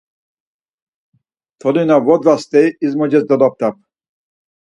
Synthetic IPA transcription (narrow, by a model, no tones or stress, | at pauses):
t̪ʰɔlinavɔd̪vast̪ɛjizmɔd͡ʒɛsd̪ɔlɔp̚t̪ʰap̚